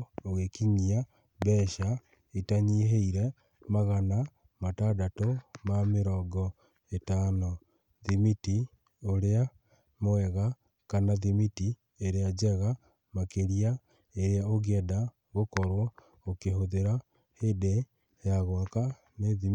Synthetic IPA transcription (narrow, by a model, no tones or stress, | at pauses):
oɣekiɲia | bɛːʃa | itaɲiɦeiɾɛ | maɣana | matadatomameɾɔːɡɔ | etano | ðimiti | oɾea | moɛɣa | kanaðimiti | eɾead͡ʒɛɣa | makeɾija | eɾeaoɣɛda | ɣokɔɾwɔ | okehoðeɾa | hede | jaɣwaka | neði